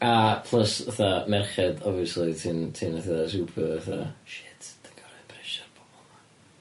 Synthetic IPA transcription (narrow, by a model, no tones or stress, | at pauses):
apʰlˠəsəθamɛrχɛdɔviəslitʰintʰinəθiðas̬ɡupʰɔəθaʃɪtʰd̥ə̥ŋɡ̥ɔɾapʰrɛʃarb̥ɔbɔlˠma